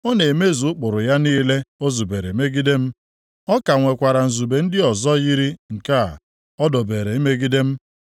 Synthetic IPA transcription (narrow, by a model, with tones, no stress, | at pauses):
o˦ne˨e˨me˦˨zu˨ʊ˦k͡pʊ˨ɾʊ˨ja˦niː˦le˦o˦zu˨be˨ɾe˨i˨me˦ɡi˦de˦m̩˦ | ɔ˦ka˨ŋʷe˨kʷa˨ɾa˨n̩˨zu˨be˨n̩˦dɪ˦ɔ˨zɔ˦ɣi˦ɾi˦ŋ̩˨ka˦˨ | ɔ˦dɔ˨be˨ɾe˨i˦me˦ɡi˦de˦m̩˦